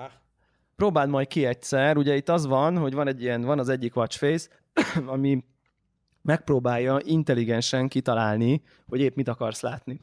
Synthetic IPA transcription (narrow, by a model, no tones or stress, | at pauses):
pɾoːbaːld̪mɒjt̪̚kiɛc̚t̪sɛruɟɛit̪ːɒzʋɒnɦo̞ɟvɒnɛɟːijɛnvɒnɒzɛɟːikʋɒt͡ʃfejs | ɒmi | mɛk̚proːbaːjːɒʔint̪ɛliɡɛnʃɛŋkit̪ɒlaːlni | ho̞ɟeːpmit̪ɒkɒrslaːt̪ni